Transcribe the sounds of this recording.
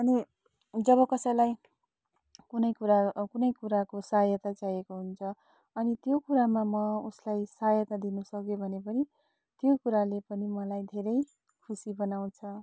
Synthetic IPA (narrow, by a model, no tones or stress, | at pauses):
ʌni | d͡zʌβʌkʌsʌjlaj | kunʌjkuɾakunʌjkuɾakosajʌt̪at͡sajekoɦunt͡sʰʌ | ʌnit̪jokuɾamamʌuslajsajʌt̪ad̪inusʌkjobʱʌnepʌni | t̪jokuɾalepʌnimʌlajd̪ʱeɾʌj | kʰusibʌnaw̃t͡sʰʌ